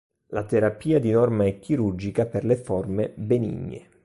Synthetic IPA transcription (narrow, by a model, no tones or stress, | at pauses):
lat̪eɾapiːad̪inɔrmaɛkːiɾurd͡ʒikaperleformebenḭɲːḛ